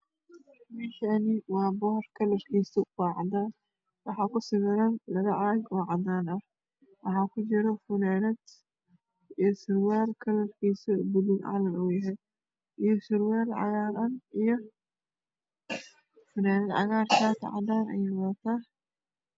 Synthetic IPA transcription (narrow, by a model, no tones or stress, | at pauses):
mɛːʃanɪwɑːbɔhrkʰɐlɐrkʰiːsɐwaːʕɑd̪aːn | wɑħɑkʊsɪɣɪɾɐnlɐɣɐʔɐɾɐɡɔːʕɑd̪aːnɐ | wɑħɑːkʰʊt͡ʃɪɾɔfʊnaːnɛd̪ | isɪɾwaːlkʰɐlɐrkʰiːsɐbʊlɪnʕɑ̰lɐnʊjɐɦɛj | ʔijɔsɪɾwɛːlʕɑ̰ɣaːɾɐnijɔ | fʊnaːnɛd̪ʕɑ̰ɣaːrkʰaːt̪ʰɐ̰ʕɑ̰d̪aːnɛ̰jɪnwat̪ʰa